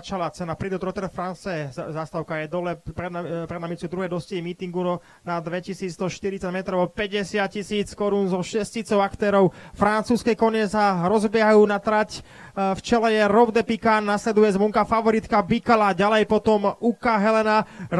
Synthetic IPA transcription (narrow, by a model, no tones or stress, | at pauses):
t͡ʃalat͡sɛnapɾid̪ut̪ɾɔt̪ɛɾfɾansɛzast̪aʊkajɛd̪ɔlɛpɾɛd̪napɾɛd̪namit͡sud̪ɾuɦɛjd̪ɔsciimiːt̪iŋɡuɔ | nad̪ʋɛcisiːd͡zd̪ɔʃt̪iɾitt͡saɟmɛt̪ɾɔʊɔpɛɟɛsɪac̚cːisiːt͡skɔɾunzɔʃɛscit͡sɔʊakt̪ɛːɾɔʊfɾant͡suːskɛjkɔɲɛsaɾɔzbɪɛɦajuːnat̪ɾac | ft͡ʃɛlɛjɛɾɔʊd̪ɛpikanːaslɛd̪ujɛzʋɔŋkafaʋɔɾit̪kabikalaɟalɛjpɔt̪ɔmukaɦɛlɛna